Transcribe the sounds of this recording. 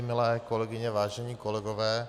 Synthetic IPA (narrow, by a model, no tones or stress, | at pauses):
milɛjkɔlɛɡiɲɛʋaːʒɛɲiːkɔlɛɡɔʋɛː